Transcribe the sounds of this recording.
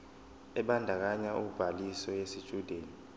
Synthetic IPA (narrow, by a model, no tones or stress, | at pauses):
ɛɓandʱak̬aɲaʔub̥ʱalisɔjesit͡ʃʼud̥ʱeːni